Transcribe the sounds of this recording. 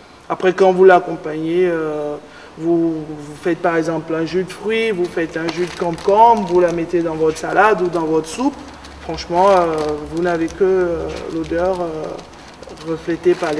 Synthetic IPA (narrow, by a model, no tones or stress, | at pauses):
apχɛkɑ̃vulakɔ̃paɲeø | vuvufɛt̪̚paʁɛɡzɑ̃plɛ̃ʒød̪əfχɥivufɛt̪ɛ̃ʒød̪əkɑ̃pkɔmvulamɛt̪ed̪ɑ̃vɔt̪χsalad̪ud̪ɑ̃vɔt̪χsup | fχɑ̃ʃmɑ̃øvunavekəlod̪œʁø | ʁəflɛt̪epale